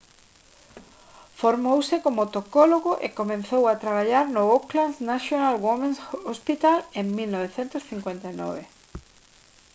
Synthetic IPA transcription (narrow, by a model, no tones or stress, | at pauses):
foɾmowsɪkomot̪okoloɣoʔḛkomẽnθowat̪ɾaβ̞aʎaɾnʊoklansnasjonalwomẽnsospit̪aleŋmilnɔβeθent̪ʊsθiŋkwent̪anɔ̰βe